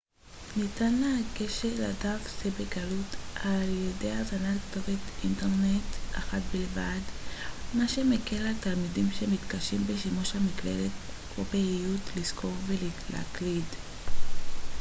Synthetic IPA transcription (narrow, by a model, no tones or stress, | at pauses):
nitanleakeʃela̰dafsebeɡalutʔaljedejazanalkto̞vetinte̞ʁnetʔa̰χatbilvadmaʃemekelaltalmidimʃemitkaʃimbeʃimuʃhamiklḛlet̚ | opeijutliz̥kʰo̞ʁvelilḛa̰klid